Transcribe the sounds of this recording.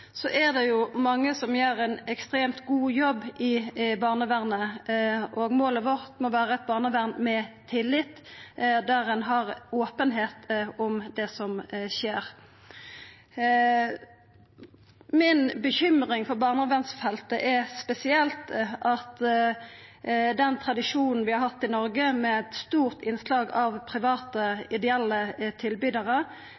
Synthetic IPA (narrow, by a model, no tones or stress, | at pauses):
sɔʔɛd̪ɛjʊmɑŋːəsɔmjeːɾæɪnɛkst̪ɾeːmt̪ɡuːjɔbːʔɪbɑːʁnəʋæʁnəʔoːɡmoːləʋɔʁt̪mɔʋæːɾəɛt̪̚bɑːʁnəʋæʁnmɛt̪ʰɪlːɪt̪ːd̪æʁɛnɦɑʁoːpənɦeːt̪ɔmd̪ɛsɔmʃeːɾ | mɪnbəçʏmʁɪŋfɔʁbɑːʁnəʋænsfɛlt̪əʔɛspɛsɪɛlt̪ʔɑt̪ | d̪ɛnt̪ʰʁɑd̪ɪʂuːnn̩ʋɪhɑɾhɑt̪ːɪnɔɾɡəmɛɛt̪st̪uːʁt̪ɪnslɑːɡɑʋpʰʁɪʋɑːt̪əɪd̪ɛɛlːət̪ʰɪlbyːd̪əʁə